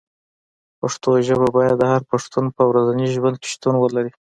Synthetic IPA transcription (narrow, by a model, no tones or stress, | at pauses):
paʂt̪oʒəbabɑjad̪ːəhaɾpaʂt̪unpəwɾazaniʒwand̪̚ke̥ʃt̪unwəlaɾi